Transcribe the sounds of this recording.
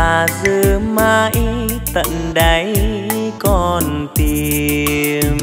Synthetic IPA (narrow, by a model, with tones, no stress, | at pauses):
aː˨˩zɨ˧˩maː˧ʔi˧˦t̪ə̰˧˨nɗə˧˦j | kɔ˨˧˩nt̪i˧ | m